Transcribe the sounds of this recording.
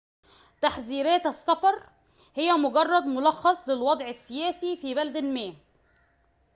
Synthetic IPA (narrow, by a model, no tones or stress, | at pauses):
t̪aħziːɾæːt̪esːɑfɑɾˤ | hejːæmʊɡɑrˤːɑd̪mʊlɑxːɑsˤlɪlwɑd̪ˤʕɪsːɪjæːsifiːbælæd̪ælmæː